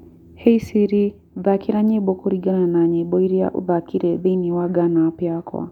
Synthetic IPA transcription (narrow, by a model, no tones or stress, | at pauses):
heisiɾi | ðakiɾaɲebokoɾiɡananaɲeboiɾia̰ʔṵðakiɾeðeniwaɡanapjakʰwa̰